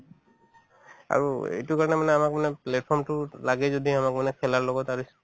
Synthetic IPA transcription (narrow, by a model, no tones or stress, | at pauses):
a̰ɹuḛjtukaɹɔnɛmanɛamakmanɛplɛt̚pʰɔɹmtʊlaɡɛzodiamak̚manɛkʰɛlaɹlɔɡɔtaɹis